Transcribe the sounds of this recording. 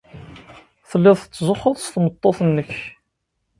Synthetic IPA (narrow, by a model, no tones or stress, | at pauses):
θəlːɪðˤθət͡sːzʊχəðˤsθmət̪ˤːoθnːəç